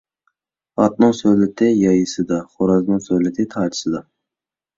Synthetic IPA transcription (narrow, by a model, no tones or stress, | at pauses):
ɑt̪nɨŋsølɪt̪ʰɪjɑjɨsɨd̪ɑχoɾɑznɨŋsølɪt̪ʰɪt̪ʰɑːt͡ʃʰɪ̥sɨd̪ɑ